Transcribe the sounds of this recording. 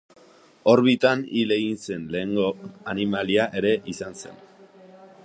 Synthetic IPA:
o̞ɾβit̪anile̞ɣinse̞nle̞ːŋɡo̞animaliaʔe̞ɾe̞ʔisanse̞̰n

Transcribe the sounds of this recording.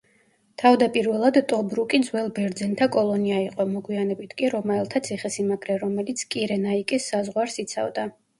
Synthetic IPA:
t̪ʰavd̪apʼiɾvɛlˠad̪t̪ʼɔbɾukʼinzwɛlˠbɛɾd̪zɛnt̪ʰakʼɔlˠɔniaiqʼɔmɔɡwianɛbit̪ʰkʼiɾɔmaɛlˠt̪ʰat̪sʰiχɛsimaɡʰɾɛɾɔmɛlit̪sʰkʼiɾɛnaikʼisːazʁwaɾsit̪sʰa̰vd̪a

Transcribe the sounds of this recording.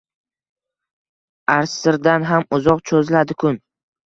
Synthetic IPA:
aɾsːɪɾd̪anɦamʊzɒqt͡ʃʰozlad̪ɪkʰʊn

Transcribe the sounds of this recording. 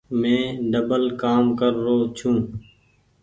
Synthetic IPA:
mẽːɖəbəlkaːmkəɾːoːt͡ʃʰũː

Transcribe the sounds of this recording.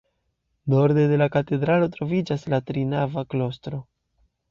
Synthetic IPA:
no̞ɾde̞de̞lakate̞dɾalo̞tɾo̞vid͡ʒaslatɾinavaklo̞stɾo̞

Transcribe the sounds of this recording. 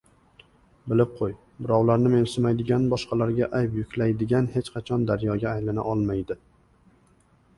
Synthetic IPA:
bɪlɪp̚qʰoj | bɪɾɒwlaɾnɪme̞nsʊmajd̪ɪɡʲanbɒʃqʰɑlaɾɡʲaʔajpjʊkʲlajd̪ɪɡʲanhe̞t͡ʃqʰɑt͡ʃʰɒnd̪aɾjɒɡʲaːjlana̰ʔɒlˠmajd̪ɪ

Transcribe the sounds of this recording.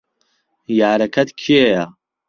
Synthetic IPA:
jaːɾɐkʰɐt̪kʰijeja

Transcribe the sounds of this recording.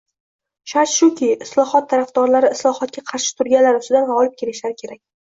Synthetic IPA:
ʃaʃʊkʲʰɪɪslˠɒhɒt̪ʰːaɾafd̪ɒɾlaɾɪɪslˠɒhɒt̪̚kʲaqʰɑɾʃɪ̥t̪ʰʊɾɡʲanlaɾʊst̪ɪd̪anvaɒlˠɪp̚kʲʰe̞ɾɪʃlaɾɪkʲʰe̞ɾak̚ʲ

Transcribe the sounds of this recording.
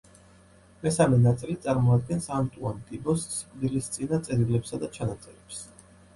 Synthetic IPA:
mɛsamɛnat̪sʼilit̪sʼaɾmɔad̪̚ɡɛnsamt̪ʼuant̪ʼibɔsskʼd̪ilist̪sʼinat̪sʼɛɾilɛpsad̪at͡ʃʰanat̪sʼɛɾɛps

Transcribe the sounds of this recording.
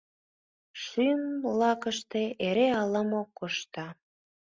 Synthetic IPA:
ʃymlɑkəʃt̪eeɾeɑləmokːoʃt̪ɑ

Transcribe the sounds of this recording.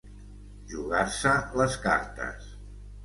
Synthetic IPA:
ʒuɣaɾsələska̰ɾt̪ə̰s

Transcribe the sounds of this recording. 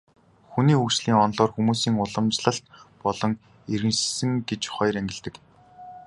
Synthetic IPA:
xuniːxukt͡ɕɮiːŋɔnɮɔːrxumuːsiːŋʊɮə̆mt͡ɕɮə̆ɬt̪pɔɮɞ̆ŋ | eɾɣɘ̆nʃsɘ̆ŋɡet͡ɕχɔjræŋɡʲɪ̆ɮt̪ɘ̆k

